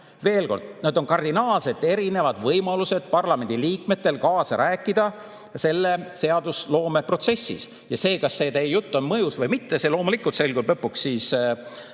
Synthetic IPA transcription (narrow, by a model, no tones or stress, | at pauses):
ve̞ːlko̞rd̪̥̚ned̪o̞nkɑrd̪inɑːlse̞t̪ːˑe̞ɾine̞vɑd̪̥vɤjmɑluse̞d̪̥pɑrlɑme̞nd̪̥ʲiliːkme̞t̪ːe̞lkɑːsɑɾʔæːkˑːid̪̥ɑ | se̞lːe̞se̞ɑd̪uslo̞ːme̞pro̞t̪se̞sːḭs | jɑse̞ːkɑsːe̞ːt̪ejjut̪ːonmɤjusvɤjmit̪ːese̞lo̞ːmulikːˑult̪se̞lkud̪ɤpːukssiːs